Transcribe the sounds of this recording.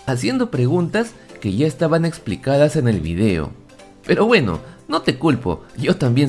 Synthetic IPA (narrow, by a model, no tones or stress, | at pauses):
asje̞nd̪o̞pɾe̞ɣ̞unt̪as | ke̞ʝaest̪aβane̞ksplḭkað̞ase̞ne̞lβḭð̞e̞o̰ | pe̞ɾo̞βwe̞no̞̰no̞t̪e̞kulpo̞̰ʝo̞t̪ambje̞n